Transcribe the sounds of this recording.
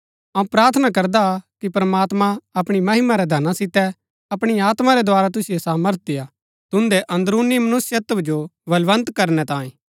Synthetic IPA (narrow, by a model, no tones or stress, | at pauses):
ɐũpɾaːɾt̪ʰnakɐɾd̪akipɾmaːt̪mãɐpɽ̃imɐɦɪmaɾɛd̪ʱɐnãsɪt̪ɛ | ɐpɽ̃iaːt̪maɾɛd̪oaːɾat̪̬ʊsɪjosaːməɾt̪̚ija | t̪ʊnd̪ɛʔɐ̃nd̪ɾuːnːimɐnʊsjət̪bd͡ʒobɐlʋə̃nt̪kɐɾnɛt̪ãːĩː